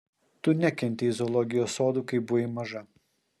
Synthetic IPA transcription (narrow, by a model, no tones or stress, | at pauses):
t̪ʊnʲɛkʲɛnʲt̪ʲɪɪzɔlˠɔɡʲɪjoːsoːd̪uːkɐɪbʊʋɪmɐʒɐ